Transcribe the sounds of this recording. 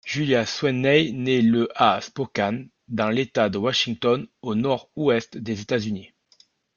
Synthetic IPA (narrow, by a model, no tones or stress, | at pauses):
ʒ̥yljaswɛnɛjnɛləʔaspɔkʲan | d̪ɑ̃let̪ad̪əwaʃiŋt̪ɔnonɔʁuɛst̪d̪ezet̪azyni